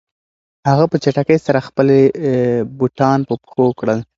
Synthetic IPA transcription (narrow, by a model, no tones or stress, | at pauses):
haɣapət͡ʃaʈakəjsaɾaxpəle | buʈɑnpəpxokɽəl